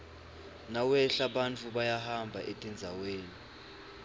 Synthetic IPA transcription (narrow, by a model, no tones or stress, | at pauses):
nawɛɬaɓant͡fʰuɓajahambʱa̰ʔetʼɛnd͡zʱaweːni